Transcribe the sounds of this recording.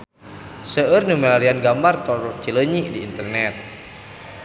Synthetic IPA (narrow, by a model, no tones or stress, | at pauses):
səərnumɛlalianɡamart̪ɔɾɔt͡ʃiləɲidiːnt̪ərnɛt̪̚